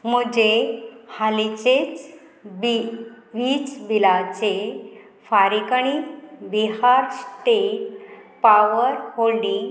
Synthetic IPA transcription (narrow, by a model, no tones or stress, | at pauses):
m̤əd͡ʑehalit͡ɕet͡s | bi | ʋit͡sbilat͡se | faɾikɳ̃ibiɦaɾsʈeʈpaʋəɾholni